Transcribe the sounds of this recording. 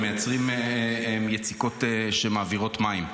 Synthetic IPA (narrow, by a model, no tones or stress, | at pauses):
mejat͡sʁimemjet͡siko̞teʃemaːviʁo̞tmaim